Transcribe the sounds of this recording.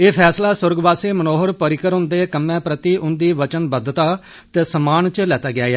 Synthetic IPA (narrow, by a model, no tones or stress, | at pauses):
eːpʰɛːslaːsʊɾɡbaːseːmənoːɦəɾpəɾɪkəɾʊ̃nd̪eːkəmːɛ̃ːpɾət̪iːʔʊnd̪iːʋət͡ʃənbəd̪t̪aː | t̪eːsəmaːnt͡ʃlɛːt̪aːɡɪaːjaː